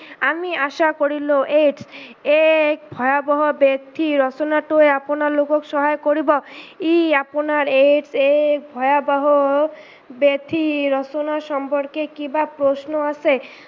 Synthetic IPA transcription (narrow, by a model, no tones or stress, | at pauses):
amiaʃakoɾiloʔeʈsekbʱɔjabɔɦobet̪ʰiɾɔt͡ɕonaʈoeaponaɾlokokʃɔɦajkoɾibɔiaponaɾeʈsek̚bʱɔeabaɦo | bet̪ʰiɾɔt͡ɕonaʃɔmpoɾkekibapɾosnoasʰe